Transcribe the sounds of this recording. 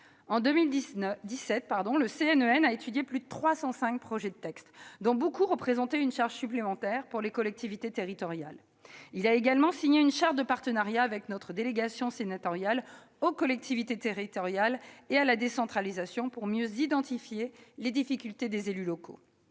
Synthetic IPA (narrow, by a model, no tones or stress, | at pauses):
ɑ̃d̪ømild̪isɛt̪̚paʁd̪ɔ̃ləseɛnøɛnaet̪yd̪jeplyd̪ət̪χwasɑ̃sɛ̃k̚pχɔʒɛd̪ət̪ɛkst̪d̪ɔ̃bokuʁəpχezɑ̃t̪eynʃaʁʒsyplemɑ̃t̪ɛʁpuʁlekɔlɛk̚t̪ʰivit̪et̪eʁit̪ɔʁja̰l | ilaeɡalmɑ̃siɲeynʃaʁʒd̪əpaʁt̪ənaʁjaːvɛknɔt̪χəd̪eleɡasjɔ̃senat̪ɔʁjal | okɔlɛk̚t̪ʰivit̪et̪eʁit̪ɔʁjalealad̪esɑ̃t̪χalizasjɔ̃puʁmjøzid̪ɑ̃t̪ifjeled̪ifikʲylt̪ed̪ezelylɔkʰo̰